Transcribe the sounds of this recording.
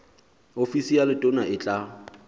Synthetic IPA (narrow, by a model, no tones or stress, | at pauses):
ofisijalɪtʼʊnaɪt͡ɬʼa